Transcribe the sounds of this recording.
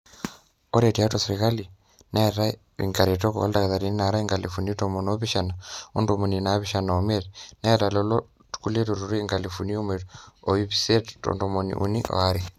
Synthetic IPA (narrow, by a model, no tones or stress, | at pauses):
oɾetiatosiɾikali | nʔaeɾa | ḭŋɡaɾetoko̰βa̰ldakðaɾininaɾaiŋɡalifunitomonoβiʃanaondomoninaβiʃanaometnaeɾalɔlo | tu̥kuletuɾuɾeŋɡalifuniomeoiβisetto̰ndomonḭʔṵniʔo̰aɾi